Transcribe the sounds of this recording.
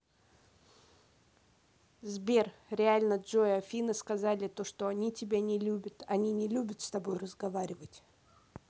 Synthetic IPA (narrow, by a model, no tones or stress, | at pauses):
zbʲe̞rɾʲɪalʲnəʐoɐfʲinɨskɐzalʲɪt̪o̞ʂt̪o̞ɐnʲitʲɪbʲanʲɪlʲubʲət̪ɐnʲinʲɪlʲubʲət̪st̪ɐbo̞jrəzɡɐvaɾʲɪvətʲ